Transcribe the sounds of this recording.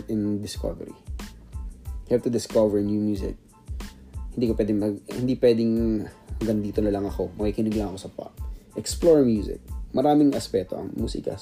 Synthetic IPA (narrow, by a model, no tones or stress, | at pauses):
ɛnd̪ɪsko̰vɛ̰ɹḭ | hɛv̚t̪ʊd̪ɪskovɛɹnjuːmjuːsɪ̰k̚ | hɪnd̪iːkopwɛːd̪ɪŋmɐɡhɪnd̪ipwɛːd̪ɪŋɐɡɐnd̪iːt̪onɐlɐŋɐko̞mɐkiːkɪniːɡlɐŋɐko̞sɐpa̰t̚ʔɛksploɹmjuːsɪ̰k̚mɐɾaːmɪŋʔɐspɛt̪o̰ʔɐ̰ŋmuːsḭkɐ̰